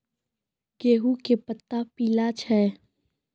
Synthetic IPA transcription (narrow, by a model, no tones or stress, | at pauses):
ɡ̥eːɦukepət̪ːapiːlat͡ʃʰɛː